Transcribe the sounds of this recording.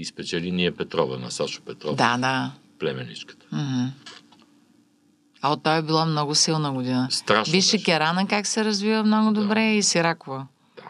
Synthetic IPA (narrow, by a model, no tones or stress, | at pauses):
ispɛt͡ʃɛliniɛpɛt̪ɾɔvə̰nɐ̰saʃʊ̥pɛt̪ɾɔd̪ad̪a | plɛmɛ̰nḭt͡ʃkə̥t̪ə̥m̩ɦm̩ | ɐot̪ːɔjɛbilˠamnɔɡʊsilˠnəɡʊd̪inəst̪ɾaʃbiʃɛkʲɛɾanɐkaksɛɾɐzvivəmnɔɡʊd̪obɾɛisiɾakovə | d̥̪a